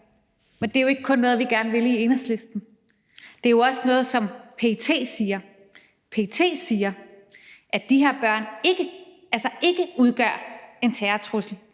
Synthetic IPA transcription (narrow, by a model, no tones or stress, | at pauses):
mend̥e̝jo̝e̝ɡ̥əkʰɔ̽nːɔ̽ːðˠʋiɡ̥æɐnəʋe̝lie̝nɐsle̝sd̥n̩ | d̥e̝æjo̝ɒ̽sənɔ̽ːð̞̩ˠsɒ̽mpʰe̝̰t͡sʰe̝̰ːsiːɐ | pʰe̝ːt͡sʰe̝̰ːsiːɐ | ʔæd̥ihe̝ɐ̰b̥ɶɐ̰ne̝ɡ̥ə | ælsɐʔe̝ɡ̥əuð̞ˠɡ̥ɶ̰ɐ̰e̝nt͡sʰɛːɐt͡sʰʁusl̩